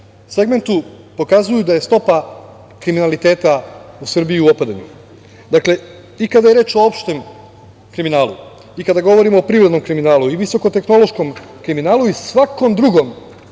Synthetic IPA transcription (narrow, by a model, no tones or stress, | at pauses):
se̞ɡme̞nt̪u | po̞kazujud̪aje̞st̪o̞pa | kɾiminalit̪e̞ːt̪ausr̩bijiuopad̪aɲṵ | d̪akle̞ | ikad̪aje̞ɾe̞ːt͡ʃo̞opʃt̪em | kɾiminaːlṵ | ikad̪aɡo̞ʋo̞ɾimoːpɾiʋɾed̪nomkɾiminaːlˠuiʋiso̞ko̞t̪e̞xno̞lˠo̞ʃko̞m | kɾiminaːlˠuisʋako̞md̪ɾuɡo̞m